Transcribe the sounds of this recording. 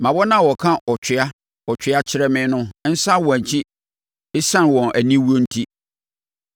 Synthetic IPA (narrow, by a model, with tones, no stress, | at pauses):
mã˨bɔ˦nã˦˨wɔ˨kʰã˦ʔɔ˨t͡ɕᶣʰɪ˨a˦ | ɔ˨t͡ɕʰᶣɪ˨a˦t͡ɕʰɪ˦ɾɛ˦mɪ̃˦nʊ̃˦n̩˦sa˦wɔ˨æ˨t͡ɕʰi˦ | ɪ˦sã˦nwɔ̃˨nʔæ˨nĩ˦wu˦o˦n̩˦tʰi˦